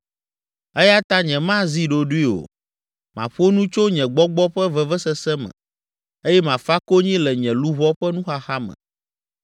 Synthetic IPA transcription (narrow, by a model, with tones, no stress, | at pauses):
ɛ˦ja˦t̪a˦ɲɛ̃˨mã˦zi˦ɖo˨ɖu˦i˦o̰˨ | mã̰˨ɸo˦nũ˦t͡ʃo˦ɲɛ̃˨ɡ͡bɔ˦ɡ͡bɔ˦ɸɛ˦vɛ˨vɛ˦sɛ˦sɛ˦mɛ̰̃˨ | e˦jɛ˦mã˨fa˦ko˦ɲĩ˦lɛ˨ɲɛ̃˨lu˦βɔ˦ɸɛ˦nũ˦xa˦xa˦mɛ̰̃˨